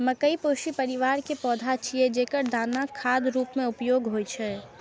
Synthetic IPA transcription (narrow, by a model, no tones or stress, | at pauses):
mɐkəipoːʃipɐɾɪʋaːɾkepɔːd̪ʱat͡ʃʰied͡ʒeːkəɾd̪aːnakʰːaːd̪ɾuːpmẽʊpjoːɡɦoːit͡ʃʰɛː